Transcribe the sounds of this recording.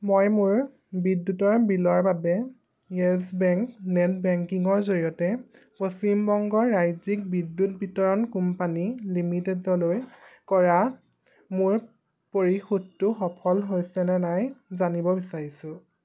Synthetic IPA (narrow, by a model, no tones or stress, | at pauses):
mojmʊɹ | bidːutɔɹbilɔɹbabɛ | ɛsbɛŋknɛt̚bɛŋkiŋɔɹzoɹijɔtɛ | post͡ʃimbɔŋɡɔɹːajzik̚bidːut̚bitɔɹɔnkumpanilimitedɔlojkɔɹa | mʊɹ | poɹixutːʊxɔpʰɔlɦojsɛnɛnajzanibɔbisaɹisʊ̃